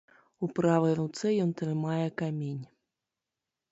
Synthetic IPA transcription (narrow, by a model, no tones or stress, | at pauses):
upɾavɐjɾut̪sɛjɔnt̪ɾɨmajɛkamʲenʲ